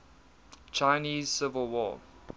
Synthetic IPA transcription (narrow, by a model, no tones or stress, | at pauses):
t͡ʃʰaɪniːzsɪvəlˠwɔ̰ː